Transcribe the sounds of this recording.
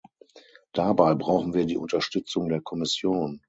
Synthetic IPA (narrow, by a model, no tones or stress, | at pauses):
d̥abaɪbʁaʊxn̩viːɐdiːʔʊntɐʃtʏt͡sʊŋdeːɐkʰɔmɪsjoːn